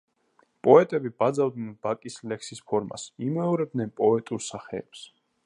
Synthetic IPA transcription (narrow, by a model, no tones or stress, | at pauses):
pʼɔɛt̪ʼɛbibad̪zavd̪nɛnbakʼislɛksispʰɔɾma̰simɛɔɾɛb̚d̪nɛnpʼɔɛt̪ʼuɾsaχɛːps